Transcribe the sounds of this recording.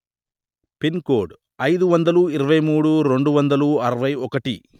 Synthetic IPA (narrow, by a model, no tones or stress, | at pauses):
pinkoːɾɖ | ɐjd̪uʋɐnd̪ɐluiɾɐʋɐjmuːɽuɾe̞ɳɖuʋɐnd̪ɐluɐɾɐʋɐjɔkɐʈi